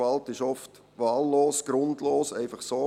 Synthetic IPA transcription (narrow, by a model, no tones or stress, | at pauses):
ɑltɪʃɔft | ʋɑːlːoːsɡ̥ɾʊndloːsɛɪfɑχsoː